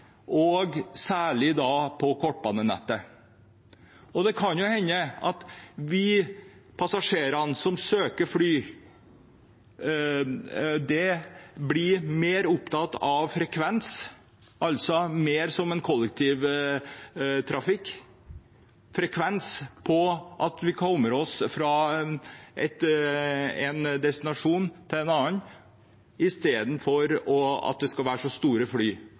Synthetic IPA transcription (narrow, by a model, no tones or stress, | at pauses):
ʔɔɡsæːɭɪd̪ɑːpʰɔkʰɔʈ̚ːbɑːnːənɛ̰t̪ːə | ɔd̪ɛkʰɑnjʊhɛɲːəɑt̪ʋɪpʰɑsɑʂeːɾɑnsɔmsøːkəɾfɽyː | d̪ɛblɪmeːɾʊpt̪ʰɑt̪ːɑʋfɾɛkʰʋɛns | ɑlt̪sɔmeːɾsɔmɛnkʰɔlːɛk̚t̪ʰiːʋ | t̪ʰɾɑfɪkː | fɾɛkʰʋɛnspʰɔʔɑt̪ʋɪkʰɔməɾɔsfɾɑ | ʔɛt̪ | ɛnd̪ɛst̪ɪnɑʂuːnt̪ʰɪlɛnɑːən | ɪst̪eːd̪n̩fɔɾɔɑ̰t̪̚d̪ɛskɑlʋæːʂɔst̪uːɾəflyː